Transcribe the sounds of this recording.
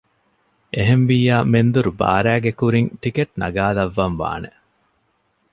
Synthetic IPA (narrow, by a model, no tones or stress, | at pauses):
ʔeɦemʋijaːmend̪uɾuba̰ːɾæːɡekuɾiŋʈikeʈ̚nɐ̰ɡaːlɐʋːɐmʋa̰ːne